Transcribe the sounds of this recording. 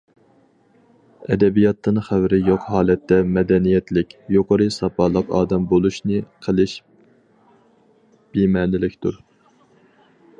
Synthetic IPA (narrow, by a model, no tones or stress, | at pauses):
ɛd̪ɛbijɑt̪ʰːɨnχæwɾɪjoqɦɑːlˠɛt̪ːɛmɛd̪ɛnijɛt̪lɪkʲjoqʰəɾɨsɑpɑlˠəqɑ̰ːd̪ɛmbolˠuʃnɨqʰəlˠɪʃ | b̥imɛːnɪlɪkʲt̪uɾ